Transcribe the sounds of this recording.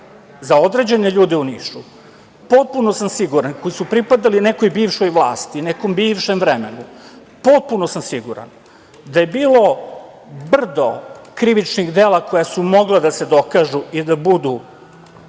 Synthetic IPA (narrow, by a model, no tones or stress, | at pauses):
zao̞d̪ɾe̞d͡ʑeneʎuːd̪iuniːʃu | po̞t̪̚puno̞samsiɡuɾankojisupɾipad̪aline̞kojbiːʋʃojʋlˠaːst̪ineko̞mbiːʋʃemvɾemenu | po̞t̪̚puno̞samsiɡuɾa̰n | d̪aje̞biːlˠo̞ | br̩d̪o̰kɾiʋit͡ʃniɣd̪eːlako̞jasumo̞ɡled̪ased̪o̞kaːʒuid̪abud̪u